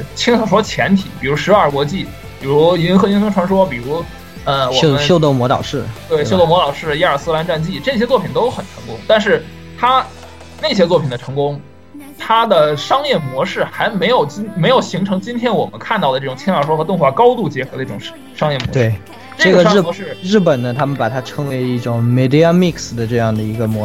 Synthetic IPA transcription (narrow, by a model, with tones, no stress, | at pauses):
t͡ɕʰi˥ŋɑ˨˩ʂwɔ˥t͡ɕʰjɛ˧˥nt̪ʰḭ˨˩˦pi˨˩ɻu˧˥ʂɻ̩˧˥ə˞˥˩kwɔ˧˥t͡ɕi˥˩ | pi˨˩ɻu˧˥i˧˥t͡ɕi˥nxɤ˥˧˩t͡ɕi˥nfɤ˥ŋʈ͡ʂʰwa˧˥nʂwɔ˥pi˨˩ɻu˧˥ | ə˧wɔ˨˥˧ə˦ɕjo˥ʊt̪o˥˩mwɔ˧˥t̪ɑ̰˨˩ʊʂɻ̩˥˩t̪we˥˩ɪɕjo˥ʊt̪o˥˩mwlɑ˨˩ʊʂɻ̩˥˩ja˥˩ə˞˨˩sɹ̩˥la˧˥nʈ͡ʂa˥˧nt͡ɕi˥˩ʈ͡ʂɤ˥˩ɕ̬jɛ˥t͡swɔ˥˩pʰi˨˩nt̪o˥ʊxə˨˩nʈ͡ʂʰɤ˧˥ŋkʊ̰˥ŋt̪a˥˧nʂɻ̩˥˩ | t̪ʰa˥ | ne˥˩ɕ̬jɛ˥t͡swɔ˥˩pʰi˨˩nd̪ə˦ʈ͡ʂʰɤ˧˥ŋkʊ˥ŋ | t̪ʰa˥d̪ə˨ʂɑ˥ŋjɛ˥˩mwɔ˧˥ʂɻ̩˥˩xa˧˥ɪme˧˥ɪjo˨˩ʊt͡ɕi˥me˧˥ɪjo˨˩ʊɕi˧˥ŋʈ͡ʂʰɤ˧˥ŋt͡ɕi˥nt̪ʰjɛ˥nwɔ̰˨˩mə̰˦nkʰa˥˧nt̪ɑ˥˩ʊə˩ʈ͡ʂɤ˥˩ʊ˨˩ŋt͡ɕʰɛ˥na˥˩ʂwɔ˥xɤ˧˥t̪ʊ˥˧ŋxwa˥˩kɑ˥ʊt̪u˥˩t͡ɕjɛ˧˥xɤ˧˥d̪ə˧˥˩ʈ͡ʂŋ˥ | ʂɑ˥ŋjɛ˥˩mwɔ˧˥t̪we˥˩ɪ˩ | ʈ͡ʂɤ˩˥˩ɡəʂɻ̩˥˩ɔ˧˥ʂɻ̩˥˩ɻɻ̩˥˩pə˨˩nnə˦t̪ʰa˥mə˨npa˨˩t̪ʰa˥ʈ͡ʂʰɤ˧˥ŋwe˧˥ɪi˥˩ʈ͡ʂʊ˨˩˦ŋme˧˩ɪd̪i˥a˥˧mi˥˧ksd̪ə˩ʈ͡ʂɤ˥˧jɑ˥˩ŋd̪ə˩i˧˥ɡə˧mwɔ˧˥